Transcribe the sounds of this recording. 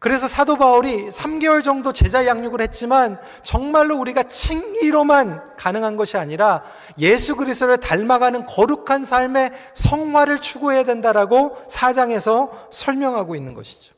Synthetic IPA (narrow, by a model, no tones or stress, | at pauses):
kɯɾe̞sʰʌsʰadobauɾisʰamɡe̞wʌɭd͡ʑʌŋdot͡ɕe̞d͡ʑajaŋɲuɡɯɭhe̞t̚t͡ɕ͈iman | t͡ɕʌŋmaɭːouɾiɡat͡ɕʰiŋiɾomankanɯŋɦanɡʌɕʰiaɲiɾa | je̞sʰuɡɯɾis͈ʰt͈oɾɯɭtaɭmaɡanɯnkʌɾukʰansʰaɭme̞ | sʰʌŋɦwaɾɯɭt͡ɕʰuɡoɦe̞jadwe̞ndaɾaɡosʰad͡ʑaŋe̞sʰʌsʰʌɭmjʌŋɦaɡoinːɯnɡʌɕʰi̥d͡ʑo̥